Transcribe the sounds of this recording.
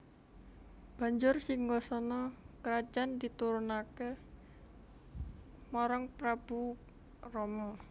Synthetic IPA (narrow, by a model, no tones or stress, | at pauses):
b̥a̤ɲd͡ʒʊrsɪŋɡɔsɔnɔkəɾad̥d͡ʒ̥and̪it̪uɾunake | mɔɾɔŋpɾab̥u | rɔmɔ